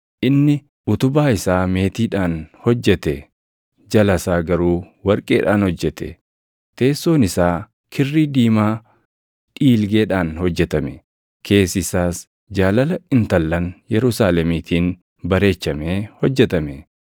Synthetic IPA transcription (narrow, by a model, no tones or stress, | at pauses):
ʔɪnːɪ | ʔʊt̪ʊbaːɪsaːme̞ːt̪iːᶑaːnhɔd͡ʒːɛt̪ɛ | d͡ʒɐlɐsaːɡɐɾuː | wɐɾkʼeːᶑaːnhɔd͡ʒːɛt̪ɛ̰ | t̪e̞ːsːo̞ːnɪsaː | kʰɪrːiːd̪iːmaː | ᶑiːlɡe̞ːᶑaːnhɔd͡ʒːɛt̪ɐmɛ | kʰe̞ːsɪsaːs | d͡ʒaːlɐlɐɪnt̪ɐlːɐnjɛɾʊsaːlɛmiːt̪ʰiːn | bɐɾe̞ːt͡ʃːɐmeːhɔd͡ʒːɛt̪ɐmɛ